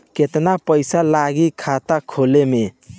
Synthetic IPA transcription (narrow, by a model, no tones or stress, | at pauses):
ket̪napəɪsalaɡikʰat̪akʰoleme